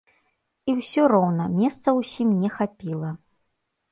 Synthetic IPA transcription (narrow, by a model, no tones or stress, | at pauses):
iwsʲɔɾɔwnɐmʲɛst̪sɐwsʲimnʲɛxapʲilˠɐ